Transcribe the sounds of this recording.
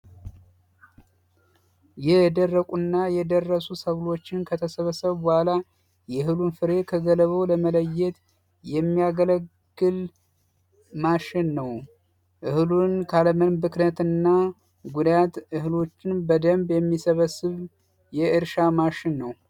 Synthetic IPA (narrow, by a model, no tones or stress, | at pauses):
jɛd̪ərːəkʼunːajɛd̪ərːəsusəβlo̞t͡ʃːɪnkʰət̪ʰəsəβəsəβɔhala | jɛɦɨlunfɨɾe̞kʰəɡələβəwləmələjːɛt̪ | jɛmːiaɡələɡːɨl | maʃɪnːəw | ʔɨhlunkʰaləmənbɨknət̪ɨnːa | ɡud̪ajat̪ʔɨhlo̞t͡ʃːɪnbəd̪əmbjɛmːisəβəsːɨβ | jɛʔɨɾʃamaʃɪnːəw